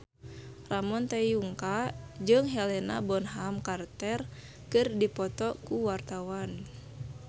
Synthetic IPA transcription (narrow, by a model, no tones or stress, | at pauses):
ramɔnt̪ɛjuŋkad͡ʒɨŋɦɛlɛna̰bɔnɦamkart̪ɛr | kɨrdipɔt̪ɔkuwart̪awan